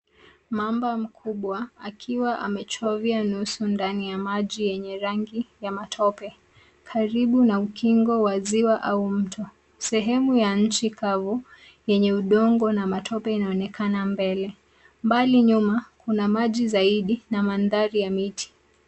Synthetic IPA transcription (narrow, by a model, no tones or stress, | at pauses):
mambam̩kʰuɓwaakʰiwaʔa̰mɛt͡ʃɔvianusundanijamaʄijɛɲɛɾaŋɡijamatʰɔpɛ | kʰaɾiɓunaukiŋɡɔwaziwaʔaum̩tʰɔ | sɛɦɛmujaɲ̩t͡ʃikavu | jɛɲɛuɗɔŋɡɔnamatʰɔpɛinaɔnɛkʰanambɛlɛ | mbaliɲumakunamaʄizaiɗinamanðaɾijamitʰi̥